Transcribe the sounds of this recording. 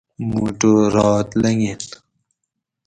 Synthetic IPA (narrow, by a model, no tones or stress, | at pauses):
muːʈoɾɑːt̪lɐŋet̪